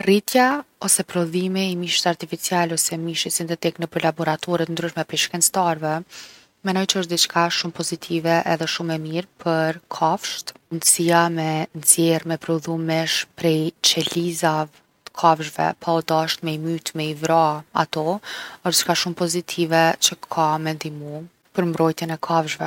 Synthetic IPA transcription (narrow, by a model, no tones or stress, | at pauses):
rit̪jaɔsɛpɾɔðimiimiʃit̪aɾt̪ifit͡sialɔsɛmiʃisint̪ɛt̪ɛknəpəɾlabɔɾat̪ʰɔɾɛt̪nd̪ɾyʃmɛpɾɛʃkɛnt͡st̪aɾvɛ | mɛnɔjt͡ʃəəʃt̪d̪it͡ʃkʰaʃumpɔzit̪ʰivɛʔɛðɛʃumɛmiɾpʰəɾkʰafʃt̪mund̪əsiamɛnzjɛɾmɛpɾuðumɛʃpɾɛjt͡ʃɛliza | t̪ə̥kʰavʒvɛ̰pʰaɔd̪aʃt̪mɛimyt̪mɛivɾaa̰t̪ɔəʃt̪t͡ʃkaʃumpɔzit̪ʰivɛt͡ɕəkʰamɛnd̪imu | pəɾmbɾɔjt̪jɛnɛkʰavʒvɛ